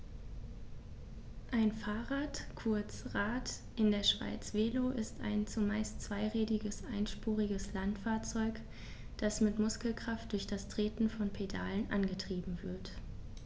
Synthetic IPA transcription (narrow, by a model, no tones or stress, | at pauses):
ʔaɪnfaːʁaːtkʰʊɐt͡sʁaːt | ʔɪndeːɐʃv̥a̰ɪt͡sv̥eːloʔɪsta̰ɪnt͡sumaɪstt͡sv̥aɪʁɛːdɪɡəsʔaɪnʃpuːʁ̞ɪɡəslantfaːɐt͡sɔʏk | d̥asmɪtmʊskl̩kʁ̥aftd̥ʊɐçd̥astʁ̥eːtn̩fɔnpʰeda̰ːlənʔa̰nɡətʁ̥iːbm̩vɪɐt